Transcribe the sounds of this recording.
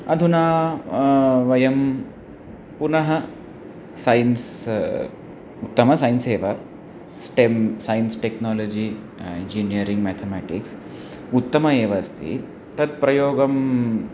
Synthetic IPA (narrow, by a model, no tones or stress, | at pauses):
ɐd̪ʱuna | ʋɐjɐm | punɐɦɐ | sajns | ut̪ːɐmɐsajnseːʋa | sʈemsajinsʈeknɔlod͡ʑiː | end͡ʒinijəɾiŋɡmæt̪ʰemæʈḭks | ut̪ːəmɐeʋɐst̪ḭ | t̪ɐd̪pɾɐjoːɡɐm